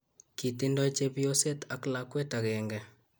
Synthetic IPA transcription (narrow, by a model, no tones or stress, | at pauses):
kitindɔt͡ʃebijosetaklakwetakɛŋɡɛ